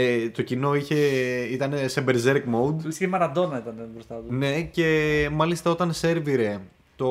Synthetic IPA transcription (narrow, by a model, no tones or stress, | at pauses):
t̪o̞cino̞içe̞it̪ɐnesebeɾzeɾkmoud̪lisceimɐɾɐd̪o̞nɐit̪ɐnebɾost̪ɐt̪une̞ce̞mɐlist̪ɐo̞t̪ɐnse̞ɾviɾe̞ | t̪o